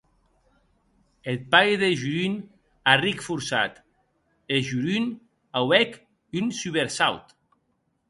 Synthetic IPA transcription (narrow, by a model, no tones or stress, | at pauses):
et̪̚pajðeʒyɾyn | arikfuɾsa̰t̪ | eʒyɾyn | awɛk | ynsyβeɾsawt̪